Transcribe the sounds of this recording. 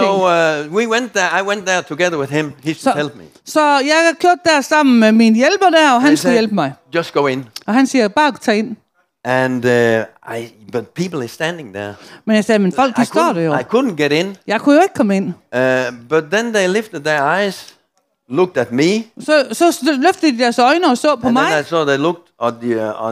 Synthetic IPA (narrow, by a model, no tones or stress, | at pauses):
oʊwiwɛ̃nt̪ðəaɪwɛ̃nðə˞tʰəɡɛðə˞wɨð̥ɪ̃mihɛlˠd̚mḭ | sɒjɑɪækʰjoɐd̥ːæɐsɑ̈m̰n̩meminəjelb̥ɐdæɐɒ̽ɦænsɡujelb̥əmɑɪ̥d͡ʒʌsɡ̥oʊɪ̃nʔɒ̽ɦænsiːɐb̥ɑ̈ːɡt͡sʰɛːe̝n | ʔɨ̃nʔa̰ɪ | b̥ʌt̚pʰipl̩ˠə˞stæ̃ndɪ̃ŋðə̰˞menjɑ̈ɪsɛːjmənfɒ̽l̰ɡ̥̚d̥isd̥ɒ̰ːd̥ejoɪkʰʊdⁿn̩ɡ̥ɛɾɪ̃njɑ̈ɪkʰujoe̝ɡ̥̚kʰɒ̽məen̰ʔb̥ʌt̪̚ðɨ̃nðeɪlɪftəd̪̚ðə˞aɪz̥ | lʊk̚tɨt̚misɒsɒ̽løfd̥əd̥id̥æɐsɒ̽ɪnəɒ̽sɔ̰ːpʰɒmɑɪaɪsɔðeɪlʊk̚tə